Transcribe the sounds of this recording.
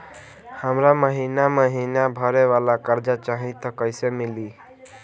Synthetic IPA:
həmɾaməɦiːnaməɦiːnabʱəɾeʋalakəɾd͡ʒat͡ʃaɦĩt̪ɔkəɪsemɪli

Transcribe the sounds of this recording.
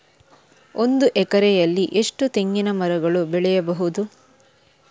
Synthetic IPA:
o̞nd̪uʔɛkɐɾɛjɐlːiʔe̞ʂʈut̪eŋɡinɐmɐɾɐɡɐɭubɛɭɛjɐbɐɦud̪u

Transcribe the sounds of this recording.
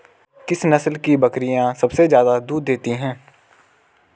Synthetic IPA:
kɪsnɐslkibɐkɾijãsɐbsezjaːd̪ad̪uːɾd̪eːt̪iɦɛ̃ː

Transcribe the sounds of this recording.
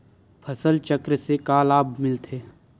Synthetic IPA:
pʰɐsəlt͡ʃəkɾəsekaːlaːbmɪlt̪ʰeː

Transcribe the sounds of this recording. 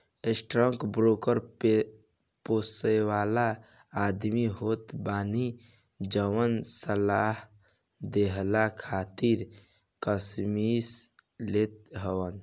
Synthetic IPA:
esʈɾɔŋkbɾokəɾ | posəjwalaː | d̪miɦot̪bani | d͡ʒəʋənsəlaɦ | d̪eɦlakʰat̪iɾ | kəsmislet̪ɦəwən

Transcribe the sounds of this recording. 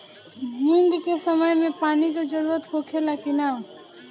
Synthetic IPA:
bʱiːnd̪kesəməjmẽpaːnid͡ʒ̪od͡ʒəɾuːɾət̪ɦokʰelakɪnaː

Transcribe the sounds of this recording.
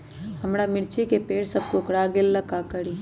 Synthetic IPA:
hɐmɽamɪɾt͡ʃikepeːɽsɐb̚kokɽaɡelːɐkakəɽiː

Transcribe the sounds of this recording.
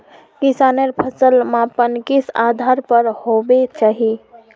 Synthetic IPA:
kɪsaːneɾpʰɐsəlmãpənkɪsaːd̪ʱaːɾpɐɾhoːbet͡ʃaːɦie

